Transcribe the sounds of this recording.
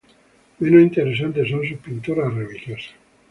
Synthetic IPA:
menosint̪eɾes̬ant̪esõns̬upint̪oɾareβiʎjosḁ

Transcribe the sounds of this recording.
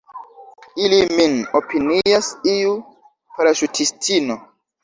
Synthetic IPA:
iliminopiniasiu | paɾaʃutʰistʰino

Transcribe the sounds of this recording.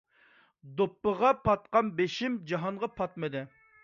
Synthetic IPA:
d̪opːəʁɑpʰɑt̪qɑnbeʃimd͡ʒɑɦɑɴʁɑpʰɑt̪̚mɨd̪ɨ

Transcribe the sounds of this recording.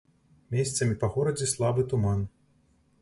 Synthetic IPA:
mʲesʲt̪sɐmʲipɐɣɔɾɐd͡zʲɛslˠabɨt̪uman

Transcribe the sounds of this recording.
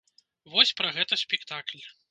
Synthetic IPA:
vɔsʲpɾɐɣɛt̪ɐsʲpʲɛkt̪aklʲ

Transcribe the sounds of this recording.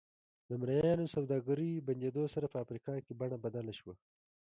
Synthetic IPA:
d̪əmɾajjɑnosawd̪ɑɡaɾiband͡ʒed̪osaɾapəafɾikɑkebaɳabad̪alaʃwa

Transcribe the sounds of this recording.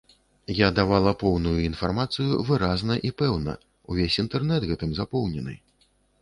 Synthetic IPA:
jad̪avalˠɐpɔwnujuinfarmat̪sɨjṵvɨɾaznɐʔipɛwnɐ̰ | uvʲesʲint̪ɛrnɛd̪ɣɛt̪ɨmzapɔwnʲɛnɨ̰

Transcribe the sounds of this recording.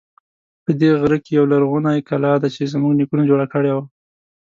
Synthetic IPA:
pəd̪eɣɾəkejawlaɾɣunajkalɑd̪at͡ʃezmuɡnikunad͡ʒoɽakəɽewa

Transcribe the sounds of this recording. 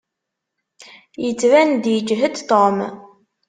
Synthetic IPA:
jət͡sːvænd̪jəd͡ʒɦəd̪t̪om

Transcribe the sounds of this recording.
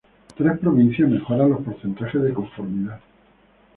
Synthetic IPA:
t̪ɾe̞hpɾo̞β̞in̟θjaɦme̞xo̞ɾanlospo̞ɾθe̞nt̪axe̞zðeko̞ɱfo̞ɾmiða

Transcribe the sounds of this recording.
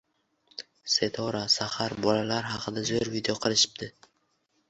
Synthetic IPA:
se̞t̪ʰɒɾasahaɾbɒlalaɾhɑqʰɨd̪azojɾvid̪ejoqʰɨlˠɪʃɪ̥p̚d̪ɪ

